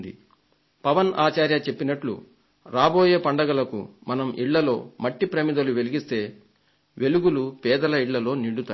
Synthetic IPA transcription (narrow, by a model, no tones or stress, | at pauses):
nd̪ḭ | pɐʋɐnaːt͡ʃaːɾjɐt͡ʃe̞pːinɐʈlṵ | ɾaːbo̞ːje̞ːpɐɳɖɐɡɐlɐkṵmɐnɐmʔḭɭːɐlo̞̰ːmɐʈːipɾɐmid̪ɐluʋe̞liɡist̪e̞ː | ʋʔe̞luɡulupɛːd̪ɐlɐiɭːɐlo̞ːniɽut̪aː